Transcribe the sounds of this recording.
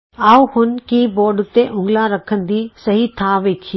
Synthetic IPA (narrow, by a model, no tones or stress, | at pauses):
aːuhʊnkiːboːɖʊt̪eʔʊ̃ŋɡlaɾɐkʰənd̪iːsɐɦit̪ʰaʋeːkʰi